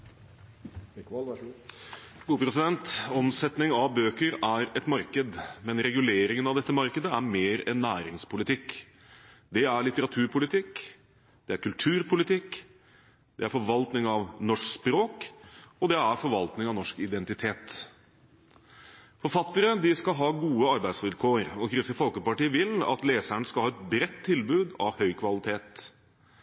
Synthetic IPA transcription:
ɡ̥uːpʰɾɛsɪd̪ɛnt̪ɔmsɛt̪nɪŋɑʋbøːkəɾæɾɛt̪mɑɾkəd̪mɛnɾɛɡʉleːɾɪŋənɑʋd̪ɛt̪ːəmɑɾkəd̪əæɾmeːɾɛ̰nːæːɾɪŋspʰʊlɪt̪ʰɪk | d̪ɛæɾɭɪt̪əɾɑt̪ʰʉːɾpʰʊlɪt̪ʰɪk | d̪̥ɛæɾkʰʉlt̪ʰʉːɾpʰʊlɪt̪ʰɪk | d̪ɛæɾfɔɾʋɑlt̪nɪŋɑʋnɔʂkspɾoːkɔd̪ɛæɾfɔɾʋɑlt̪nɪŋɑʋnɔʂkɪd̪ɛnt̪ɪt̪ʰeːt̪ | fɔɾfɑt̪ːəɾəd̪ɪskɑɦɑːɡuːəɑɾbæɪd̪sʋɪlkʰoːɾɔkʰɾɪsəfɔlkəpɑʈiːəʋɪlɑ̰t̪leːsæɳskɑlɑːɛt̪̚bɾɛt̪ʰːɪlbʉːd̪ɑ̰ʋhœʏkʰʋɑlɪt̪ʰeːt̪

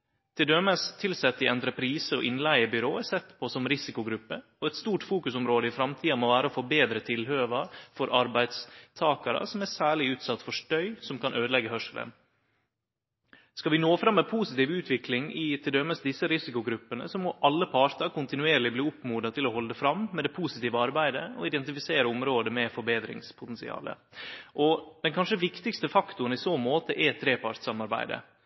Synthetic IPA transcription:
t̪ʰɪld̪øməst̪ʰɪlsɛt̪ːɪʔɛnd̪ɾəpʰɾiːsəɔ̰ʔɪnlæɪəbʏɾoːɛsɛt̪ːpʰɔsɔmɾɪsɪkʊɡɾʉpːəɔɛt̪st̪uːʈfuːkʉsɔmɾoːd̪əɪfɾɑmt̪ʰiːɑmɔʋæːɾəofoːbeːd̪ɾət̪ʰɪlhøːʋɑɾfɔɾʔɑɾbæɪd̪st̪ʰɑːkɑɾə̰sɔmæsæːɭɪʉːt̪sɑt̪ːfɔʂʈœʏsɔmkɑnʔøːd̪lɛɡːəhœʂəlʔə̰n | skɑʋɪnoːfɾɑmːɛpʰuːsɪt̪iːʋʉːt̪ʰʋɪklɪŋɪt̪ʰɪld̪ɛmːəsd̪ɪsːəɾɪsɪkʊɡɾʉpːənə̰sɔmɔʔɑlːəpʰɑɾt̪ɑkʊnt̪ɪnʉeːɾlɪbliːʊpmuːd̪ɑt̪ʰɪlɔhɔləd̪əfɾɑmːɛd̪ɛpʰuːsɪt̪iːʋəɑɾbæɪd̪əɔ̰ɪd̪ɛnt̪ɪfɪseːɾəʊmɾoːd̪əmɛfɔɾbeːd̪ɾɪ̰ŋspʰʊt̪ɛnsɪ̰ɑ̰ːlə̰ | ʔɔd̪̥ɛnkʰɑnʂəʋɪkt̪ɪkst̪əfɑkt̪ʊənɪsoːmoːt̪əʔɛt̪ʰɾeːpɑɾt̪sɑmɑɾbæ̰ɪd̪ə̰

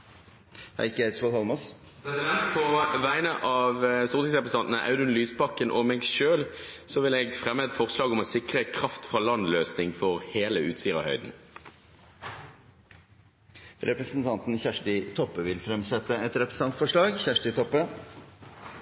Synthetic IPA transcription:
hæ̰ɪkːəæɪt̪sʋɔt̪hɑlmɑs | ɛsɪd̪ɛnt̪pʰɔʋæɪənəʔɑʋst̪uːʁt̪ʰɪŋsʁɛpɾəs̩ɑnt̪nəʔɑ̰ʉd̪ʉnlyːspɑkːənʔɔmɛːɡʃøːl | sɔʋɪlɛɡfʁɛmːəɛt̪fɔʁslɑːɡɔmɔsɪkʁəkʰʁɑft̪fʁɑlɑnløːsnɪŋfɔʁheːləʉ̰ːt̪siːʁə̰hœʏd̪n̩ | ɾɛpɾəsənt̪ʰɑnt̪n̩çæʂʈɪt̪ʰɔpːəʋɪlfɾɛmsɛt̪ːəɛt̪ɾɛpɾəsɑnt̪fɔʂɭɑːɡçæʂʈɪt̪ʰɔpːə

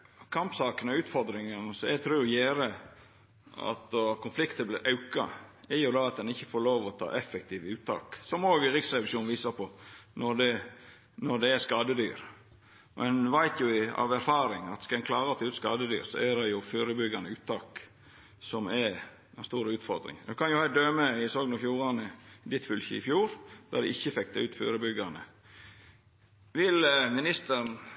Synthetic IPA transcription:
kʰɑmpsɑːkənɔʉːt̪fɔɾd̪ɾɪŋənsɔɛt̪ʰɾʉːjeːɾə | ɑ̰t̪kʰʊnflɪkt̪əblɪɾʔɑʉkɑ̰æɾjʊd̪ɑɑt̪̚d̪ɛnɪçːəfoːɾloːʋɔt̪ʰɑ̰ːʔɛfɛk̚t̪ʰiːʋʉːt̪ʰːɑ̰ːksɔmoːɡɪɾɪksɾɛʋɪʃuːnʋiːsɑpʰɔnɔɾd̪ɛ | nɔɖ̪ɛæskɑːd̪əd̪y̰ːɾ | mʔɛnʋæɪt̪ʰjʊɪɑ̰ʋæɾfɑːɾɪŋɑ̰t̪skɑɛnkʰlɑːɾɑt̪ʰɑʉːt̪skɑd̪əd̪y̰ːɾsɔ̰ædɛjʊfyːɾəbʏɡɑnəʉːt̪ʰːɑːk | sɔmɛ | ɛnst̪uːɾʉːt̪fɔɾd̪ɾɪ̰ŋd̪ɛkʰɑnjʊhɑd̪øːməɪsɔɡnəfjuːɾɑnəd̪ɪt̪fʉlçəɪ̰fjuːɾd̪̥ɑd̪ɛ̰ʔɪçːəfɛkt̪əʉːt̪fyːɾəbʏɡɑnə | ʋɪlmɪnɪst̪əɾn

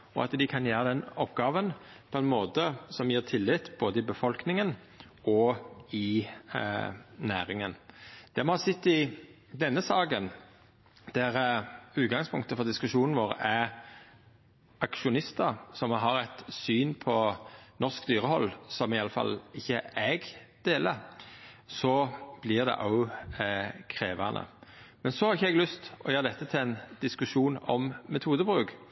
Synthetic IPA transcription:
ɔ̰ʔɑ̰t̪d̪ɪkʰɑnjæːɾəd̪ɛnɔpːɡɑːʋənpʰɔɛnmoːt̪əsɔmjiːʁt̪ʰɪlːɪt̪ːb̥oːd̪əɪbəfɔlknɪŋən | ɔɪ | næ̰ːɾɪŋənd̪̥ɛmɔhɑsɪt̪ːɪ | d̪ɛnːəsɑːɡən | d̪̥æɾʉːt̪̚ɡɑŋspʰʊ̰ŋkt̪əfɔɾd̪ɪskʉʂuːnn̩ʋoːɾæ | ɑkʃʊnɪst̪əsɔmɦɑɾɛt̪syːnpʰɔnɔʁskd̪yːɾəhɔlːsɔmɪɑləfɑ̰lɪçːəɛɡd̪̥eːlə | sɔb̥lɪʁd̪ɛ̰ʔɑʊ | kʰɾeːʋɑnʔə̰mɛnsɔhɑɾʁɪçːəɛɡlʏst̪ɔjøːɾd̪ɛt̪ːət̪ʰɪlɛnd̪̥ɪskʉʂuːnɔ̰mmɛt̪ʰuːd̪əbʁʉːk

